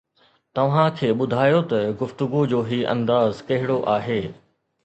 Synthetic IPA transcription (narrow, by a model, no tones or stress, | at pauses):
t̪ɐʋ̤ãkʰeːɓʊd̪ʱaːjot̪ɐɡʊft̪ʊɡud͡ʑoːɦiːʔɐ̰̃nd̪aːzkɐɦɪɽoʔaːɦeː